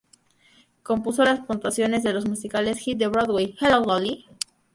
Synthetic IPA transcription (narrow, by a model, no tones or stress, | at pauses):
ko̞mpuso̞laspont̪wasjo̞ne̞zðe̞lo̞zmusikale̞sxit̪̚d̪eβɾoðwejxelold̪oli